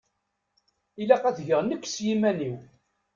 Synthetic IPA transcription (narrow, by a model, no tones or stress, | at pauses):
ilæqæðʝəʁnəkːsjimæniw